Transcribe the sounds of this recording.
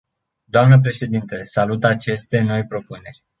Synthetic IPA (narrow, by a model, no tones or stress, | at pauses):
d̪oamnəp̬ɾe̞ʃe̞d̪int̪əsalut̪at͡ʃe̞st̪e̞no̞jpɾo̞pune̞rʲ